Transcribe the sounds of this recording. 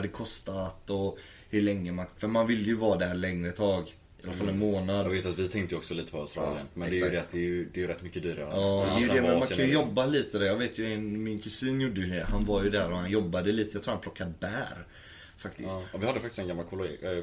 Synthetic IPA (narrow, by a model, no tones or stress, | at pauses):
ad̪ɛkʰɔst̪at̪ɔ | hɵɭɛŋːəmanfœɾmanvɪlːəjɵvɑːd̪æɾlɛŋːɾəɛt̪ʰɑːɡ | ɪalːafalːɛnmoːnad̪veːt̪at̪vɪt̪ʰɛŋt̪əjəɔksɔliːt̪ə̥pʰɔaʊst̪ɾɑ̰ːlɪənmɛnd̪ɛjʉd̪ɛat̪d̪ɛjɵd̪ɛjʉɾɛt̪ːmʏkːəd̪yːɾa̰ɾəɑːd̪ɛjd̪ɛmɛnmanʰaj̪əjɔbːaliːt̪əd̪ɛjɑːɡveːt̪ʰjɵɛnmɪnkʰɵsiːnjʊɖːəjɛhanvaɾjɵd̪æːɾɔhanjɔbːad̪əliːt̪əjɑt̪ʰɾuːɾhanpʰlɔkʰːad̪bæːɾ | fakt̪ɪ̰svɪhad̪ːəfak̚t̪ɪst̪ɛnɡamːalkʰɔlʊɡḭ